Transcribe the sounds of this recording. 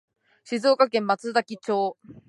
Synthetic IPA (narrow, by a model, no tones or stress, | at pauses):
ɕizoːkakẽmːat͡sɨd̪akʲit͡ɕoː